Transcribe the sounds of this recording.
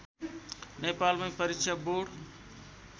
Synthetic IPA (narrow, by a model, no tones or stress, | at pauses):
nepalmãjpəɾikt͡ʃʰaboɽ